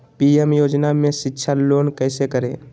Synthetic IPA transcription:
piemjoːd͡ʒnamẽʃɪkːʃʰaloːnkɛːsekəɾẽː

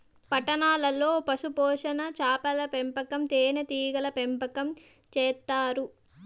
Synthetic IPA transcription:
pɐʈːɐnaːlɐlo̞ːpɐsupɔːʂɐnɐt͡ʃaːpɐlɐpempɐkɐmt̪eːnɐt̪iːɡɐlɐpempɐkɐm | t͡ʃɛːt̪ːaːɾu

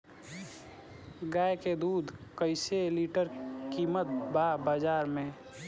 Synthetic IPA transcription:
ɡaːjked̪uːd̪ʱkəɪseliːʈəɾkiːmət̪̚baːbaːd͡ʒaːɾmẽ

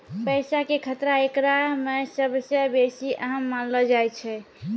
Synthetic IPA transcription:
pəjsakekʰət̪ɾaekɾamesəbʱsə̃besiʔəɦəmːanlɔd͡ʒajt͡ʃʰɛ

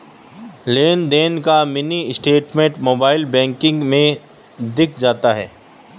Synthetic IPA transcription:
leːnd̪eːnkamɪnisʈeːʈmẽɳʈmoːbaːɪlbɛ̃ːŋkɪ̃ŋɡmẽ | d̪ɪkʰd͡ʒaːt̪aɦɛ̰ː

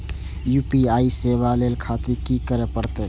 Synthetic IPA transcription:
jupiaisebalelkʰat̪ikikəɾepəɾt̪e

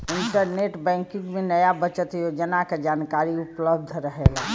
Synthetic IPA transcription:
ɪɳʈəɾneʈbɛ̃ːŋkɪ̃ŋɡmẽnəjabət͡ʃət̪jod͡ʒənaked͡ʒaːnkaɾiupləb̚d̪ʱɾəɦela

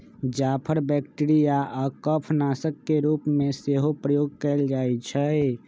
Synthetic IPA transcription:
d͡ʒapʰəɾbɛkʈiɾijaʔakəpʰnasəkːeɾupmeseɦopɾəjoɡkəɪld͡ʒajt͡ʃʰəj

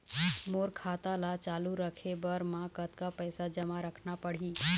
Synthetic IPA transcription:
moːɾkʰat̪alat͡ʃaːluɾəkʰebəɾmãkət̪kapəjsad͡ʒəmaɾəkʰnapəɽ̤i

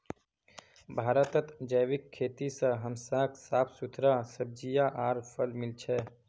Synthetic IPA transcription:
bʱaːɾət̪ət̪d͡ʒəjwɪkʰːeːt̪isəɦəmsãːkʰsaːpʰsut̪ʰɾasəb̚d͡ʒijaʔaːɾpʰəlmɪlt͡ʃʰɛː

